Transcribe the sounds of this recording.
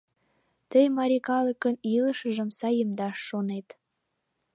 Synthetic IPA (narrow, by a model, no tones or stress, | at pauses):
t̪əjmɑɾʲikɑləkəniləʃəʒə̆msɑjəmd̪ɑʃːonet̪